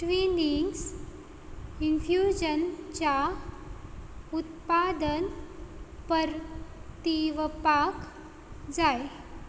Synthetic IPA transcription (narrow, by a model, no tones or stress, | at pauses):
ʈʋiniŋs | infjud͡ʑənt͡ɕa | ut̪pad̪ən | pəɾt̪iʋəpak | d͡zaj